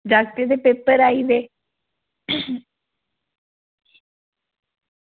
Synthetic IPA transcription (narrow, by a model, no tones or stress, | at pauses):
dak̚t̪əd̪epeːpəɾaːiʋeː